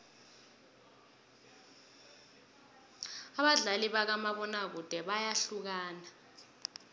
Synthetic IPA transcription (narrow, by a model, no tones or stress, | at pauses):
aɓaɮaliɓak̬amaɓɔnak̬ud̥ʱɛɓajaɬuk̬aːna